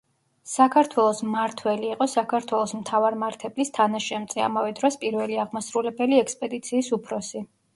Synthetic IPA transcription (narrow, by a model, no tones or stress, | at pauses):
sakʰaɾt̪ʰwɛlˠɔsmaɾt̪ʰwɛliːqʼɔsakʰaɾt̪ʰwɛlˠɔsmt̪ʰavaɾmaɾt̪ʰɛblist̪ʰanaʃɛmt̪sʼɛa̰mavɛd̪ɾɔspʼiɾvɛliaʁmasɾulɛbɛliɛkspʼɛd̪it̪sʰiːsupʰɾɔsi